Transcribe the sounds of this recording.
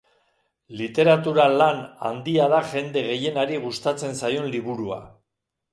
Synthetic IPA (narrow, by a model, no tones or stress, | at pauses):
lit̪e̞ɾat̪uɾalana̰nd̪iaðaʝe̞nd̪e̞ɣe̞je̞naɾiɣust̪at͡se̞nsajo̞nliβuɾua̰